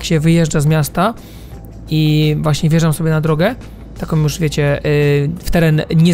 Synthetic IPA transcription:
kɕɛvɘjɛʐd͡ʐazmʲjast̪a | ivwaɕɲɛvʲjɛʐamsɔbʲjɛnad̪ɾɔɡɛ | t̪akɔ̃mjuʐvʲjet͡ɕɛ | ft̪ɛɾɛnɲɛ

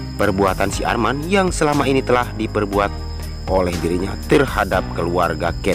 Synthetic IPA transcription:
pərbuat̪ansiʔa̰rmanjaŋsəlamainit̪əlahdipərbuat̪̚ | olɛhdiɾiɲat̪ərhadap̚kəluarɡakɛ

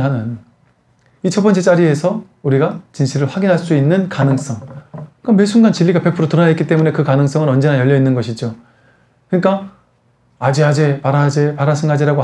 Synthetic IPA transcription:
ɦanɯn | it͡ɕʰʌp͈ʌnt͡ɕ͈et͡ɕ͈aɾie̞sʰʌ | uɾiɡat͡ɕinɕʰiɾɯɭɸwaɡinɦaɭs͈uinːɯnkanɯŋs͈ʌŋk͈ame̞sʰuŋɡant͡ɕiʎːiɡape̞pʰɯɾotɯɾʌnaitk͈it͈emune̞kɯkanɯŋs͈ʌŋɯnʌnd͡ʑe̞najʌʎːʌinːɯnɡʌɕʰid͡ʑo | kɯɲik͈a | ad͡ʑiad͡ʑe̞paɾad͡ʑe̞paɾasʰɯnɡad͡ʑiɾaɡo

